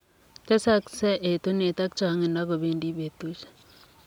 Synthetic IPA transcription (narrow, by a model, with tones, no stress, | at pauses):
te˦sa˦ksɛ˦ʔe˨t̪u˦ne˨t̪a˦k̚t͡ʃa˨˦ŋe˨nda˦ko˨βe˦ndi˦βe˨t̪u˦ʃ